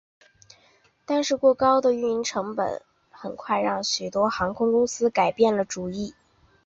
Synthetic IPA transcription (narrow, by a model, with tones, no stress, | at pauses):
t̪a˥˧nʂɻ̩˥˧kwɔ˥˩kɑ˥ʊd̪ə˨y˥˩i˧˥nʈ͡ʂʰɤ˧˥ŋpə̰˨˩˦n | xə˨˩nkʰwa˥˧ɪɻɑ˥˩ŋɕy˨˩t̪wɔ˥xɑ˧˥ŋkʰʊ˥ŋkʊ˥ŋsɹ̩˥ka˨˩ɪpjɛ˥˩nlə˩ʈ͡ʂu˨˩i˥˩